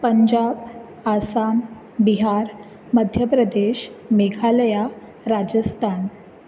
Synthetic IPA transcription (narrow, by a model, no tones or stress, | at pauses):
pəɲd͡ʑab | asam | biɦaɾ | məd̪ʱjəpɾəd̪eɕmeɡʱaləja | ɾad͡ʑəst̪ʰan